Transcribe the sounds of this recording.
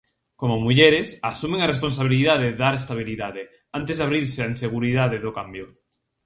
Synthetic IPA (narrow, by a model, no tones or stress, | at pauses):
komomuʎeɾesasumẽŋares̬pons̬aβ̞iliðaðeðaɾest̪aβ̞iliðaðe | ant̪ezðaβɾiɾseainseɣuɾiðaðeðokambjo